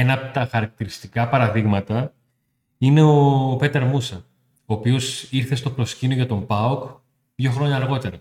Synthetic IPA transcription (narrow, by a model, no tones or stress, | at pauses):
enɐpot̪ɐxɐɾɐk̚t̪iɾist̪ikɐpɐɾɐðiɣmɐt̪ɐ | ine̞ope̞t̪eɾmusɐ | oːpio̞siɾθe̞st̪o̞pɾo̞scinoʝɐt̪o̞mbɐok | ðʝo̞xɾo̞ɲɐːɾɣo̞t̪e̞ɾɐ